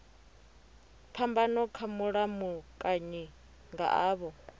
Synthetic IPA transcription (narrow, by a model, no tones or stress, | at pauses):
pʰambanɔkʰamuɺamukʼaɲɛ | ŋɡa̰ʔaːβɔ